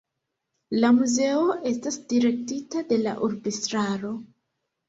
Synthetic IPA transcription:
lamuze̞o̞ʔe̞stasdiɾe̞k̚titade̞la̰ʔuɾbistɾaɾo̞

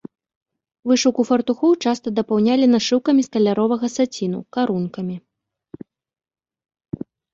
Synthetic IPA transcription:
vɨʂɐwkufɐrt̪uxɔwt͡ʂast̪ɐd̪ɐpawnʲalʲinaʂɨwkɐmʲisk̪ɐlʲaɾɔvɐɣɐsat͡sʲinṵkaɾunkɐmʲi

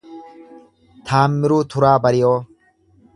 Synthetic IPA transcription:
t̪ʰaːmːɪɾuːt̪ʰʊɾaːbɐɾɪjoː

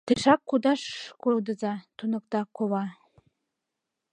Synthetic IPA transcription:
t̪eʃɑkːud̪ɑʃkowd̪ə̆zɑt̪unɤ̆k̚t̪ɑkoβɑ

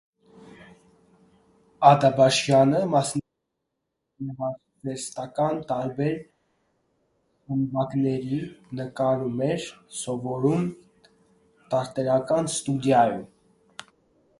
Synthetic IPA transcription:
ɑd̪ɑbɑʃjɑnəmɑsn | nəʁɑ | vɛst̪ɑkɑnt̪ɑɾbɛɾ | həmbɑknɛɾinəkɑɾumɛɾsɔvɔɾum | t̪ɑɾt̪ɛɾɑkɑnst̪ud̪jɑjum

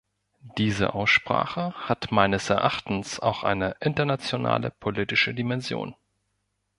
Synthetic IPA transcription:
d̥iːzə̰ʔaʊsʃpʁ̥a̰ːχəhatmaɪnəsɛɐʔaχtn̩sa̰ʊxʔa̰ɪnəʔɪntɐnat͡sjona̰ːlə̰pʰolitɪʃədimɛnzjo̰ːn

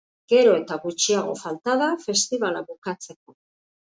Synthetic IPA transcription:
ɡ̥e̞ɾo̞e̞t̪aɣut͡ʃiaɣ̞o̞falt̪aðafe̞st̪iβalaβukat͡se̞ko̞

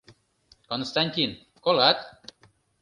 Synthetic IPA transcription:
konst̪anʲt̪ʲin | kolat̪

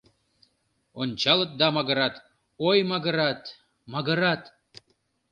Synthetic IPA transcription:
onʲt͡ɕɑlˠɤ̆t̪̚d̪ɑmɑɣə̆ɾɑt̪ | ojmɑɡə̆ɾɑt̪ | mɑɡə̆ɾɑt̪

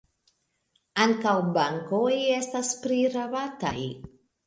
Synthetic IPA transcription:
aŋkawbaŋkojestaspɾiɾavata̰j

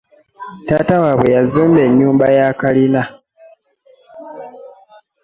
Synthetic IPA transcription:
taːtawaβwe̞jazuːmbe̞ɲːuːmbajakalina

